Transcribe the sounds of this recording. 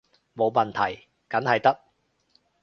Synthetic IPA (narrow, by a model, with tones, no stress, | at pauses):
mo˨˧wmɐ˨nt̪ʰɐ˨˩j | kɐ˨˥nɦɐ˨jt̪ɐ˥k̚